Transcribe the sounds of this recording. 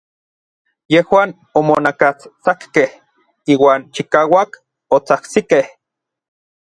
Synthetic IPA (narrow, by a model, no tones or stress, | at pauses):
jehwaːn | omonakat͡st͡sakːeh | iːwaːnt͡ʃikaːwak | ot͡sahsikeh